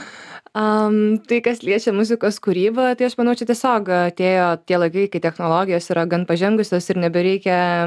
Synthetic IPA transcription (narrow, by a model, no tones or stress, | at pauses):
ɐmt̪ɐɪkɐslʲiɛt͡ʃʲɛmʊzʲɪkoːskuːɾʲiːbɐt̪ɐɪɐʃmɐnɐʊt͡ʃʲɛt̪ʲiɛsʲoːkɐt̪ʲeːjoːt̪ʲiɛlˠɐɪkɐɪkɐɪtʲɛxnoːlˠoːɡʲɪjoːsiːɾɐɡɐnpɐʒʲɛŋɡʊsʲoːsɪɾnʲɛbʲɛɾʲɛɪkʲɛ